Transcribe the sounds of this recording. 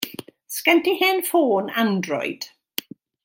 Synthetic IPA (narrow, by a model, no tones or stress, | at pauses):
skɛntihɪnfoːnandrɔ̰ɨd̥